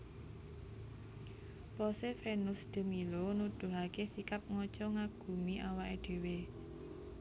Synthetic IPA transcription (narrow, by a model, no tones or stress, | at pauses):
pɔsefenʊsd̪̥ə̤milonud̪̥ṳɦakesikap̚ŋɔt͡ʃɔŋaɡ̥ṳmiʔawaʔed̪̥e̤we